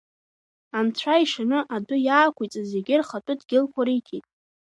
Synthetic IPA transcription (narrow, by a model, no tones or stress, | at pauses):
amt͡ɕʷʰaiʂanɨʔadʷʊjaːkʷʰujt͡sʼazeɡʲɪrχatʷʼʊdɡʲɪlkʷʰaɾikʲʰitʼ